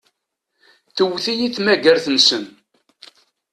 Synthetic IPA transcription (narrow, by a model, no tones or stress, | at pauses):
θəwθijiθmæɡəɾθənsən